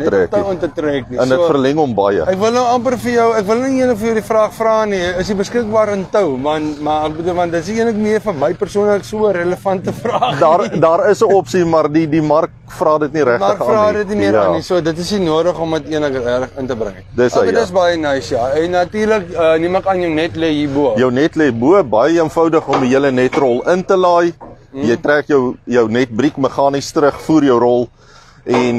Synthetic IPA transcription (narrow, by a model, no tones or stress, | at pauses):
nɛtrɛːktɐiwəntətrɛːk̚niɛ̰sndəuəfərlɛŋɔmbɐjə̰ækvəlˠnəwɐmpərfəjəwækvəlnəniiənləkfərjəwdifrɑːχfrɑːniəsibəskək̚bɑːɾəntəwvɐntmɐɛk̚bəduːlvɐ̃ntdətəsiənləkmiərfəməjpərsuənləksuəɾələfɐntəfrɑːdɑːrdɑːɾəsəɔpsimɐrdidimɐrk̚ | frɑːdətniɾæχərfrɑːdətnimiəɑːnisuədətəsinuəɾəχɔmətiənləkəærəχəntəbɾə̰ŋ | dəsdəsbɐjənɐjsjɑːɛnːɐtiːrləkəniməkɐnjəwnɛtlɛjibuəjəwnɛtlɛbuəbɐjəiənfɐwdəχɔmiɦiələnɛtrɔlˠəntəlɑːj | jəjtræːkjəwjəwnɛt̚brikməχɑːnistɾəχfuːɾjəwrɔlˠ | ʔɛn